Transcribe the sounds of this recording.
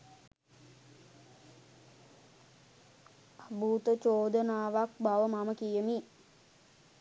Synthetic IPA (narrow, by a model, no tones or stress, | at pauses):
abʱuːt̪ət͡ʃoːd̪ənaːʋak̚baʋəmaməkijəmi